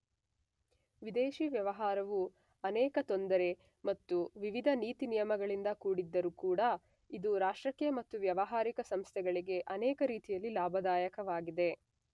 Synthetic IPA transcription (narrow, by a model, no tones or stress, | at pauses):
ʋid̪eːʃiʋjɐʋɐɦaːɾɐʋu | ɐnɛːkɐt̪o̞nd̪ɐɾe̞ | mɐt̪ːuʋiʋid̪ʱɐniːt̪inijɐmɐɡɐɭind̪ɐkuːɽid̪ːɐɾukuːɽɐ | id̪uɾaːʂɾɐkjɐmɐt̪ːuʋjɐʋɐɦaːɾikɐsɐmst̪ʰɛɡɐɭiɡe̞ʔɐnɛːkɐɾiːt̪ijɐlːilaːbʱɐd̪aːjɐkɐʋaːɡid̪e̞